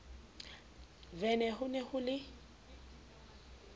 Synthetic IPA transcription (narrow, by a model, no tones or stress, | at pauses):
vɛnɛhʊnɛhʊlɪ